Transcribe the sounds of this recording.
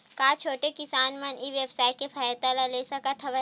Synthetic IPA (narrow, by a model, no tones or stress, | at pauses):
kaːt͡ʃʰoːʈekɪsaːnmɐniʋebsaːɪʈ̚kepʰaːjət̪alaleːsakat̪ʰɐʋə